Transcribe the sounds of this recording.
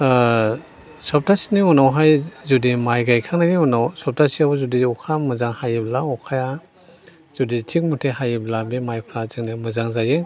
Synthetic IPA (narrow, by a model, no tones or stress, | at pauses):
sɔp̚tʰasiniunawɦajzudimajɡajkʰaŋnaniunawsɔp̚tʰasiawzudiɔkʰamɯzaŋhajiblaɔkʰaja | z̥uditʰik̚mutʰehajiblabemajpʰlazɯŋnimɯzaŋzaje